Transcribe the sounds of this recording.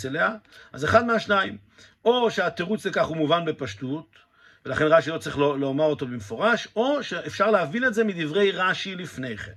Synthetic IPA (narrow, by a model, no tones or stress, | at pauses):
t͡seleaʔazeχad̪meaʃnaim | o̞ʃeat̪eʁut͡szekaχumuvanbe̞paʃtut̪ | velaχe̞nʁaʃilo̞t͡sʁiχlolomaʁo̞to̞bemefo̞ʁaʃo̞ʃeʔefʃaʁleavile̞tze̞mid̪ivʁe̞jʁaʃilifne̞jχḛn